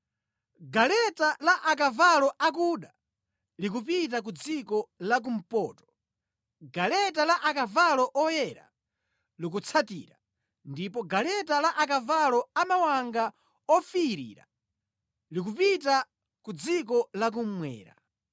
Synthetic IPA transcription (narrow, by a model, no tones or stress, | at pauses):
ɡalɛtalaʔak̬avalɔak̬uɗa | likupit̬ak̬ud͡zikɔlak̬um̩pɔːtɔ̥ | ɡalɛtalaʔakavalɔʔɔjɛɾa̰ | lik̬ut͡sʰatḭːɾa | ndipɔɡalɛtalaʔak̬avalɔamawaŋɡa | ɔfiiɾḭːɾa̰ | likupita | kud͡zikɔlak̬um̩mwɛ̰ːɾa̰